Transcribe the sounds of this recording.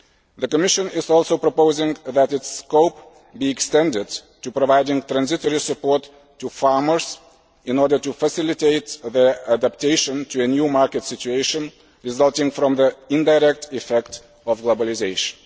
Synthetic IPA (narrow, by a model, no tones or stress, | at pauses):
ðəkəmɪʃə̃nɪzɔlˠsoʊpɹəpoʊzɪ̃ŋðætɪtskoʊp | biɛkstɛ̃ndɪd̚tupɹəvaɪdɪ̃ŋt̪ɹæ̃nzɪtɔɹisɨpɔɹtʰː | ufɑɹmə˞z̥ | ɪ̃nɔɹdə˞tufəsɪlˠɨteɪt̪̚ðə˞ædæp̚tʰeɪʃə̃ntʰuɨnjumɑɹkɨtsɪt͡ʃʉeɪʃə̃n | ɹɪzʌlˠtɪ̃ŋfɹɔ̃mðiɪ̃ndaɪɹɛk̚tɪfɛk̚t | ɔvɡloʊbəlˠɪzeɪʃə̃n